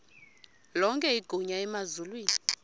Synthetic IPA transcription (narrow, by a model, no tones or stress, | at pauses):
lɔŋkʼɛiɡ̥ʱuɲaɛmazulwiːni